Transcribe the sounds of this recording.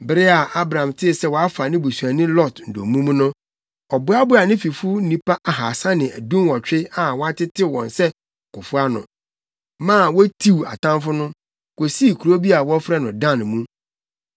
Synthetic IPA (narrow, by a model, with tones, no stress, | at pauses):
bɪ˦ɾɪ˦a˨ʔa˦bɾã˨mtʰɪ˦˨sɛ˦wɔ˨a˦fa˨nɪ̃˦bu˨su˨a˨nɪ̃˦lɔ˦˨tn̩˨do̰˨mũ˦m˦nʊ̃˦ | ɔ˨bʊ˦a˦bʊ˦a˨nɪ̃˦fi˨fu˦nĩ˦pʰa˦ʔa˨ɦa˨sã˦nɪ̃˨æ̰˨dũ˦mwɔ˨t͡ɕᶣɪ˦a˨wɔ˦a˦tʰɪ˦tʰɪ˦wɔ̰̃˨nsɛ˦˨ | kʊ˨fʊ˦a˦nʊ̰̃˨ | mãː˦˨wɔ˦tʰi˦wa̰˨tʰã˦mfʊ˦nʊ̃˦ | ko˨si˦˨kʰu˨ɾo˦bi˦a˨wɔ˦fɾɛ˦nʊ̃˨dã˦˨nmũ˦